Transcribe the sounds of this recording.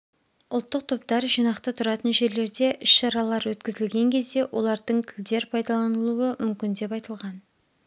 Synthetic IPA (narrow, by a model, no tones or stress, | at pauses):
ʊlˠt̪ːəq̚t̪ʰo̞p̚t̪ɑɾʒijnɑqt̪ət̪ʰʊɾɑt̪ənʒe̞ɾle̞ɾd̪e̞ʔʏʃʃɑɾɑlˠɑɾwɵt̪kʲɪzɪlɡʲe̞ŋkʲʰe̞zd̪e̞wʔo̞lˠɑɾd̪əɴt̪ʲʰɪld̪e̞ɾpʰɑjd̪ɑlˠɑnəlˠuəmʔʏmkʲɪnd̪e̞pɑjt̪əlˠʁɑn